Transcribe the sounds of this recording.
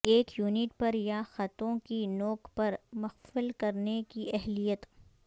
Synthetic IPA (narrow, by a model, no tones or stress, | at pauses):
eːkjuːniʈ̚pɐɾjaxɐt̪õkinɔːkpɐɾmɐxfɪlkɐɾnekiɛɦlijət̪